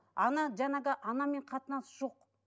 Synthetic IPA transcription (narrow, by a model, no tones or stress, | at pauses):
ɑnɑʒɑɴɑʁəʔɑnɑme̞ɴqʰɑt̪ənɑsʒoq